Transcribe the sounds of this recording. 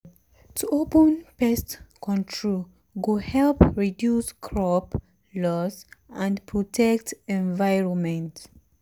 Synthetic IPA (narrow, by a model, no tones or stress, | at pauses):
tʰuʔopə̃npɛstkɔ̃ntʰɹol | ɡuhɛlpɹidjuskʰɹɔp | lɔsãndpʰɹɔtʰɛktɛ̃nvajɹɔ̃nmɛ̃nt